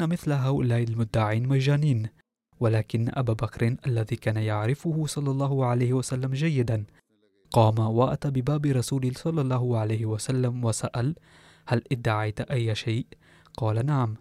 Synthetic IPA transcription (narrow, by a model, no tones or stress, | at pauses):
namɪθlaɦawlaːʔɪlmʊd̪ːaʕiːnmad͡ʒaːniːn | walaːkɪnːaʔabaːbakɾɪnʔalːaðiːkaːnajaʕɾɪfʊhʊsˤɑlːɑlˤːɑːhʊʕalajhɪwasalːamd͡ʒajːɪd̪an | qɑːmawaʔa̰t̪abɪbaːbɪɾˤɑsuːlɪsˤɑlːɑlˤːɑːɦʊʕalajhɪwasalːamwasaʔal | halʔɪd̪ːaʕajt̪ʔajːʃajʔ | qɑːlanaʕam